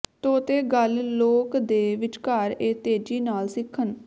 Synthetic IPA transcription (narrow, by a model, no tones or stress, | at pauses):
t̪oːt̪eːɡəlloːkd̪eːʋɪt͡ʃkaːɾeːt̪eːd͡ʒiːnaːlsɪkʰːən